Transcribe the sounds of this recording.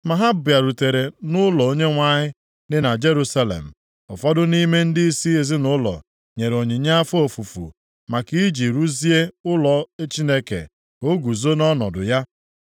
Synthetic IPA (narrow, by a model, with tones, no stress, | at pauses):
ma˨ɦa˦ba˨ɾu˨te˨ɾe˨nʊ˦lɔ˨o˦ɲe˦ŋʷa˨ɲɪ˦ | dɪ˦na˨d͡ʒe˦ɾu˦sa˦lḛ˨m̩˨ | ɔ˨fɔ˦dʊ˦ni˦me˦n̩˦dɪ˦i˦si˦e˨zɪ˦nʊ˦lɔ̰˨ | ɲe˨ɾo˨ɲi˨ɲa˦a˦fo˨fu˨fṵ˨ | ma˨ki˦d͡ʒi˨ɾu˦zi˦e˦ʊ˦lɔ˨e˦t͡ʃi˦ne˦kḛ˨ | o˦ɡu˨zo˦nɔ˦nɔ̰˨dʊ̰˨ja˦